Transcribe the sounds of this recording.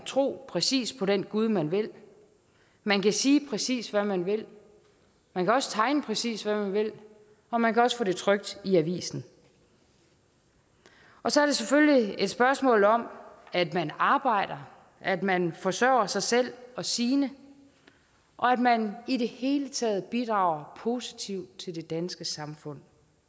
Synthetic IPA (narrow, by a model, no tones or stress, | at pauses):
t͡sʰʁo̝̰ːpʰʁɛsḭːspʰɒ̽ɾenɡ̥uð̞ˠmænʋe̝l | mænkʰæsiːpʰʁɛsḭːsʋæmænʋe̝l | mænkʰæɒ̽sə̥t͡sʰɑ̈ɪnəpʰʁɛsḭːsʋæmænʋe̝l | ɒ̽mænkʰæɒ̽sfɔ̰ːde̝t͡sʰʁœɡ̥̚d̥iæʋḭːsn̩ | ʔɒ̽sɒ̽æɐɾ̥e̝seføllie̝d̥sb̥ɶɐsmɔ̰̽ːlɒ̽mæd̥mænɑ̈ːb̥ɑ̈ɪ̰ɾ̥ɐ | ʔæd̥mænfɒ̽sœ̰ʊɐsɑ̈ɪsel̰ɒ̽siːnə | ʔɒ̽æd̥mænide̝he̝ːlət͡sʰɛ̰ːð̞̩ˠb̥id̥ʁɑ̰̈ʊɐpʰo̝ːsi̥t͡sʰiʊ̰d̥̚t͡sʰe̝ld̥e̝d̥ænsɡ̥əsɑ̈mfɔ̽n̰